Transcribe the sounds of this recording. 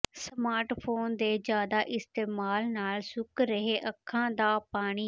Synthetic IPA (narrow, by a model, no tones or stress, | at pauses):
səmaːɾʈpʰoːnd̪eːd͡ʒjaːd̪aːʔɪst̪eːmaːlnaːlsʊkɾəɦeːʔəkʰːãːd̪aːpaːɽ̃iː